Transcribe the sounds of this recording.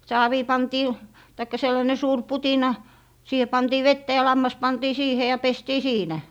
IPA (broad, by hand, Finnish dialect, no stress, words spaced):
sɑːʋiː pɑntiː tɑikːɑ selːɑne suːr putinɑ siːhe pɑntiː ʋetːæ jɑ lɑmːɑs pɑntiː siːhe jɑ pestiː siːnæ